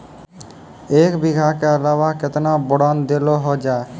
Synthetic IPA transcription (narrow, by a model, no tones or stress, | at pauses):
ekbiɡʱakeəlawaket̪nabɔɽənd̪eloɦod͡ʒae